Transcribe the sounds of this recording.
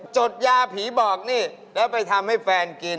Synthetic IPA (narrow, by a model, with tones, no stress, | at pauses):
t͡ɕo˨˩t̪̚jaː˧pʰiː˩˦bɔː˨˩k̚niː˥˩lɛː˦˥wpa˧jt̪ʰa˧mha˥˩jfɛː˧nki˧n